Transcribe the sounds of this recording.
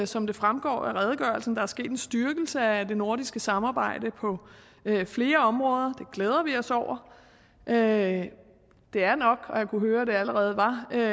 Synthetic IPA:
sɒ̽md̥e̝fʁamɡ̥ɒ̰ːæʁɛð̞ˠəɡ̥ɶɐlsn̩d̥ɑ̈æɐsɡ̥e̝̰ːd̥e̝nsd̥yɐɡ̥l̩səæd̥e̝no̝ɐdisɡ̥əsɑ̈mɑ̈ːb̥ɑ̈ɪ̰d̥əpʰɒ̽ | øfle̝ːɐɒ̽mʁɔ̽ːð̞ˠɐd̥e̝ɡ̥lɛːð̞ˠɐʋiɒ̽sɒʊ̰ɐ | ʔø | d̥e̝æɐnɒ̽ɡ̥ɒ̽jɑ̈kʰuɦøːɐd̥e̝æləʁɛːð̞̩ˠʋɑ̈

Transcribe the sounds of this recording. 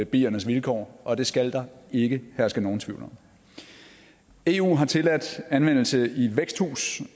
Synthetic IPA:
b̥ḭːɐnəsʋilkʰɒ̰ːʔɒ̽d̥e̝sɡ̥æld̥ɑ̈e̝ɡ̥əhæɐsɡ̥əno̝ːn̩t͡sʰʋiʊlɒm | e̝ːṵːɦɑ̈t͡sʰe̝læd̥ænʋen̰l̩səiʋeɡ̥sd̥hṵːs

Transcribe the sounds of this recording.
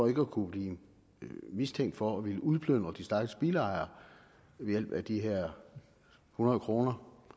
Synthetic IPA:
fɒ̽e̝ɡ̥əækʰub̥liː | mist͡sʰeŋ̰d̥fɒ̽ɒʋiləuð̞ˠpʰløn̰d̥ʁɐd̥isd̥æɐɡ̥əsb̥iləɑ̈ɪɐ | ʋe̝jel̰b̥æd̥iɦeɐ̰ | hunɐðˠkʰʁo̝ːnɐ

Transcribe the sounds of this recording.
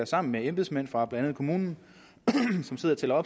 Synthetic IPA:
ɐsɑ̈m̰n̩meemb̥esmæn̰fʁɑ̈b̥lænænð̩ˠkʰo̝muːnn̩ | sɒ̽mse̝ðˠɐt͡sʰe̝lɐɒ̽b̥

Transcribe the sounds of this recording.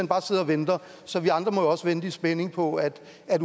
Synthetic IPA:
enb̥ɑ̈ːse̝ð̞̰ˠɐɒ̽ʋend̥ɐ | sɒ̽ʋiɑ̈nd̥ʁɐmɒ̽joɒ̽səʋend̥isb̥ene̝ŋpʰɒ̽æd̥ | æd̥

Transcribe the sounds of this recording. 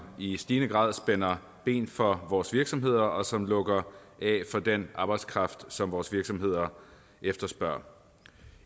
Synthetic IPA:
isd̥iːnəɡ̥ʁɑ̰ð̞ˠsb̥enɐ | b̥e̝̰ːnfɒ̽ʋɒːsʋiɐɡ̥sɒ̽mɦe̝ð̞̰ˠɐʔɒ̽sɒ̽mlɔ̽ɡ̥ɐʔɛfɒ̽d̥enʔɑ̈ːb̥ɑ̈ɪd̥skʰʁɑ̈fd̥sɒ̽mʋɒːsʋiɐɡ̥sɒ̽mhe̝ð̞̰ˠɐ | ʔefd̥ɐsb̥ɶɐ̰

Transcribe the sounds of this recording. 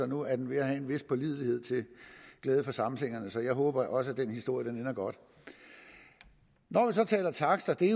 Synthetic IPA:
ɒ̽nuæɐd̥enʋe̝æhæe̝nʋe̝spʰɒ̽lið̞̰ˠihe̝ð̞̰ˠt͡sʰe̝lɡ̥lɛːð̞ˠəfɒ̽sɑ̈mn̩she̝ŋ̰ɐnəsɒ̽jɑ̈ɪɦɔ̽ːb̥ɐʔɒ̽s̬əæd̥enhisd̥o̝ɐ̰jəd̥enenɐɡ̥ɒ̽d̥ | nɒʋis̬ɒ̽t͡sʰɛ̰ːlɐt͡sʰɑ̈ɡ̥sd̥ɐd̥e̝

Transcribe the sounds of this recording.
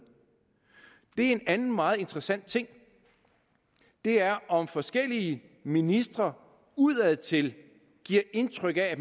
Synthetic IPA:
d̥e̝ɐe̝nænn̩mɑ̈ːð̞̩ˠe̝nd̥ʁɐsæn̰d̥t͡sʰe̝ŋ̰ | d̥e̝æɐʔɒ̽mfɒ̽sɡ̥el̰iə | minisd̥ʁɐ | uð̰ˠæð̩̰ˠt͡sʰe̝l | ɡ̥iɐ̰ʔe̝nt͡sʰʁœɡ̥ææ

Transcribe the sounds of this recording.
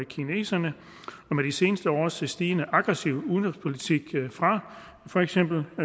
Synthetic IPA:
ekʰine̝̰ːsɐnə | ɒ̽med̥ise̝ːnəsd̥əɒ̰ːsesd̥iːnəʔɑ̈ɡ̥ʁɛsiʊuðˠnɔ̥spʰo̝lit͡sʰiɡ̥fʁɑ̈ | fɒeɡ̥sem̰b̥l̩

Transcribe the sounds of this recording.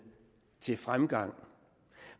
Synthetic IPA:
t͡sʰe̝lfʁamɡ̥ɑ̈ŋ̰

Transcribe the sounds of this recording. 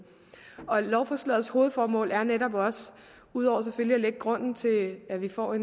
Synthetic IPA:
ɒ̽lɒʊfɒslɛð̩ˠsho̝ːð̞̩ˠfɒːmɔ̰̽ːlæɐneɾɒ̽b̥ɒ̽s | uð̞̰ˠɒ̰ʊ̰ɐs̬efølliæleɡ̥əɡ̥ʁɔ̽n̰n̩t͡sʰe̝æʋifɒ̰ːe̝n

